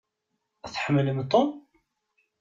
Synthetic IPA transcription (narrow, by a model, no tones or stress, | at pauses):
θħəmːələmt̪ˤom